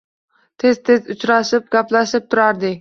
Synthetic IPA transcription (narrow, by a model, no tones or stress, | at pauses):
t̪ʰe̞zt̪ʰe̞zʊt͡ʃɾaʃɪp̚ɡʲaplaʃɪp̚t̪ʰʊɾaɾd̪ɪ